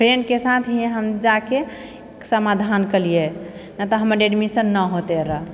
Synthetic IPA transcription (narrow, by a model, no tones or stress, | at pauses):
pʰɾenɖkesat̪ʰɦeɦəmd͡ʒake | səmad̪ʱankəlijenat̪ɔɦəməɾɖeɖmisənːəɦot̪eɾə